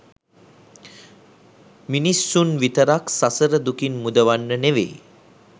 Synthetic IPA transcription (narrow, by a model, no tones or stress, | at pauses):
minisːunʋit̪əɾaksasəɾəd̪ukinmud̪əʋanːəneʋḛː